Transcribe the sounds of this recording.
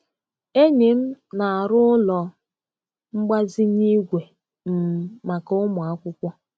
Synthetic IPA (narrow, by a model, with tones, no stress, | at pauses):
e˦ɲe˨m̩˦na˨a˨ɾʊ˦ʊ˦lɔ˨ | ŋ͡m̩˦ɡ͡ba˦zi˦ɲi˦ɡʷe˨ | m̩˨ma˨kʊ˦mʊ˨a˦kʷʊ˦kʷɔ˦